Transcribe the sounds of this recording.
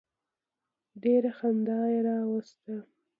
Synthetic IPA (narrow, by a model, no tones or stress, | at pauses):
ɖeɾaxand̪ɑjeɾɑwast̪a